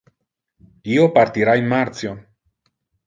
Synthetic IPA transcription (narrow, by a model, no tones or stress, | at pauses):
iopaɾt̪iɾaenmaɾt̪t͡sjo